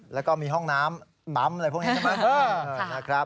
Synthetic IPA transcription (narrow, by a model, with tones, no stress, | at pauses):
lɛ˦˥wkɔː˥˩miː˧ɦɔ˥˩ŋnaː˦˥m | la˦˥mlpu˥˩kniː˦˥˧maː˦˥˩ʔəː˧˩na˦˥kʰɾa˦˥